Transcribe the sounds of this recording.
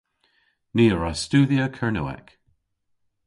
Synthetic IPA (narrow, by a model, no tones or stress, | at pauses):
niːəɹastuːðiəkʰəɹnṵːɛ̰k